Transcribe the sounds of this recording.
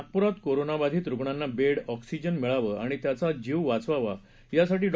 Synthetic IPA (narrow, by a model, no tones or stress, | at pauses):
k̚puɾat̪koɾonabad̪ʱiːt̪ɾukɳanːabeɽɔksid͡ʑənmiɭaʋəaɽ̃it̪jat͡sad͡ʑiʋʋat͡sʋaʋa | jasaʈiːɖ